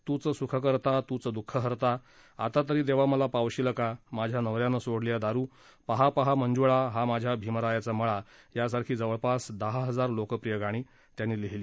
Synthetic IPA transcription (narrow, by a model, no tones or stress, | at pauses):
t̪ut͡səsukʰəkəɾt̪at̪ut͡səd̪ukʰːəɦəɾt̪a | a̰t̪at̪̬əɾiːd̪eʋ̤aməlapaʋɕiləkamad͡ʑʱjanəʋɾjanəsoɽljad̪aɾuː | paɦapəɦamənd͡zuɭaɦamad͡ʑʱjabʱimɾajat͡saməɭajasaɾkʰiːd͡zəʋəɭpasd̪əɦaɦəd͡zaɾlokəpɾijəɡaɽ̃iː | t̪janːiːleɦli